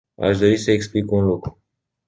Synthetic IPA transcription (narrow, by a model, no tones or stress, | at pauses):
a̰ʃd̪o̞ɾisəeksplikunlukɾu